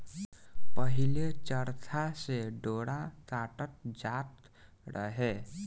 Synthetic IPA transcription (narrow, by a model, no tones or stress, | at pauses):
pəɦilet͡ʃəɾt̪ʰaseɖoːɽat̪aːʈət̪̚d͡ʒaːt̪ | ɾʔə̰ɦe